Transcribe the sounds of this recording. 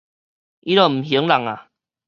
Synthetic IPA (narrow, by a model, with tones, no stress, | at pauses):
i˦ɾɔ˨˩m̩˨˩ɦjə˨˦ŋla˨˩ŋa˨